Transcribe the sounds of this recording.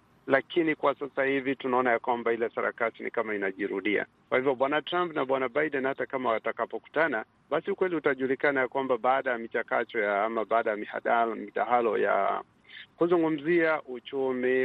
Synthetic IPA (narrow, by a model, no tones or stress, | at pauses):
lakʰinikwasasahivitunaɔnajakwambahilɛsaɾa̰kasinḭkamainaʄiɾuɗia̰ | kwahivjɔɓwanatɾampnaɓwanaɓajɗɛnhatakamawatakapɔku̥tana | ɓasiukwɛliutaʄulikanajakwambaɓaːɗajamit͡ʃakatɔjaamaɓaːɗajamiha̰ɗamiɗaɦalɔja̰ | kuzuŋɡum̩ziaʔut͡ʃumi